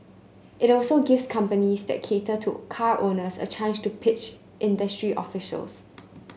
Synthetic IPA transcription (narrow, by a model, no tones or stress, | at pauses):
ʔɪtɔlsoɡɪvskʰãmpənisdɛ̰t̚kʰetətʰṵkʰaɹʔonəsə̰t͡ʃʰãnd͡ʒtupʰɪt͡ʃ | ʔɪ̃ndəstɹiʔɔ̰fɪʃə̰ls